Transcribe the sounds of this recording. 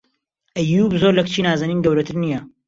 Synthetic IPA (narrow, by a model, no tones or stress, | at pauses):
ʔɐjuːbzoɾlɐkt͡ʃʰiːnaːzɐniːnɡɐwɾɐt̪ʰɨɾnijɐ